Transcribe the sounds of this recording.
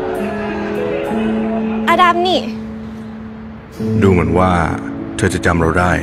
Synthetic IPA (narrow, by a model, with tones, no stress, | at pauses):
ʔa˧da˧˥˩p̚niː˥˩ | duː˧mɯ˩˦ənwaː˥˩t̪ʰɤː˧t͡ɕa˨˩t͡ɕa˧mɾa˧wdaː˥˩j